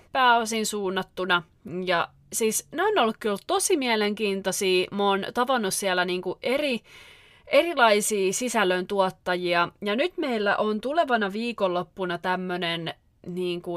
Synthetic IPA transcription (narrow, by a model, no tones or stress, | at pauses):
pæːosinsuːnːɑt̪ːunɑ | jɑ | siːsneonːolːukkiolt̪t̪osimiæleŋkiːnt̪osiːmoːnt̪ɑʋɑnːussiælːˑæniːŋkuʔeri | erilɑisiːsisælːønt̪uot̪ːɑjiɑjɑnyt̪meilːæ̰ʔont̪uleʋɑnɑʋiːkolːopːunɑt̪æmːønen | niːŋku